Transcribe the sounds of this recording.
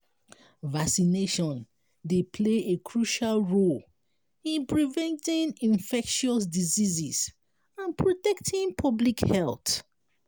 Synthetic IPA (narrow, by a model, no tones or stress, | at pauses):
vaksineʃɔ̃n | depʰleekʰɹuʃalɹol | ĩnpɹivɛ̃ntĩŋĩnfɛkʃɔs̬diziziz | ãnpʰɹotɛktʰĩŋpʰɔblikhɛlt